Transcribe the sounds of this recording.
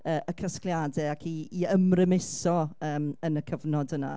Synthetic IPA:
əːʔəkʰəsklˠjadɛakʰiːəmrɪmɪsɔəːmənəkʰəvnɔdəna̰

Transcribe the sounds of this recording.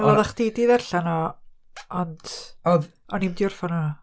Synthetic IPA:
maðaχd̥idiːðɛrɬanɔ | ɔndɔ | ɔnimdɪʊrfanɔ

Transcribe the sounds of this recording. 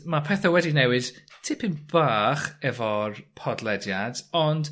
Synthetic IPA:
mapʰɛθawɛdinɛwɪd̥tʰɪpʰɪnb̥aːχɛvɔrpʰɔdlˠɛdjadɔnd

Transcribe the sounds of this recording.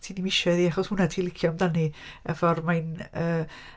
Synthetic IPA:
tʰiːnimɪʃɛðiːaχɔshʊnatʰiːlˠɪkʰjɔmdaniɛ̰vɔrmajnəː

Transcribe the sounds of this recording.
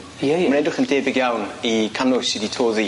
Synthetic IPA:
jɛjmrɛdʊχəndeːbɪɡjawnikʰanʊsiditʰoːði

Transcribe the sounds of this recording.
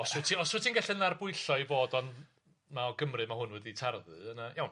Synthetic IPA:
ɔsrʊtʰiɔsʊtʰinɡɛɬɨnarbʊɨɬɔivoːdɔnd | maɔɡəmrɨmahʊnwɛðitʰarðɨ̰ənəjawn

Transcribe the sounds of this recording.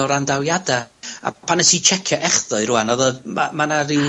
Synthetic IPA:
ɔɾandawjadaa̰pʰanɛsit͡ʃʰɛkʰjaʔɛχðʊɨɾuanɔðəmamanaɾɪ

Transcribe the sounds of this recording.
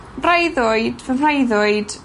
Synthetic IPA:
mrajðʊɨd̥vəmrajðʊɨd̥

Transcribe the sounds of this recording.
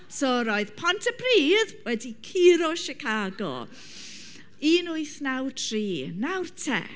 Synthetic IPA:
soːɾoɨð̥pʰɔntʰəpʰriːðwɛdikʰiːɾɔʃikʰaːɡɔ̰ | inʊɨθnawtʰriːnawrtʰɛ̰

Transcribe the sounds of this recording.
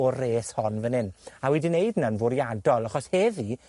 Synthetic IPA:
ɔreːshɔnvənɪnawɛdineɨdnanvʊɾjadɔlˠaχɔshɛvi

